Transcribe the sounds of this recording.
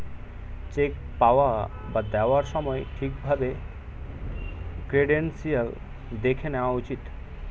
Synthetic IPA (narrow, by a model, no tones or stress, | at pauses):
t͡ɕek̚ | pawa | bad̪ɛwaɾʃɔmɔeʈʰik̚bʱabe | kɾeɖensiəl | d̪ekʰeneaut͡ɕit̪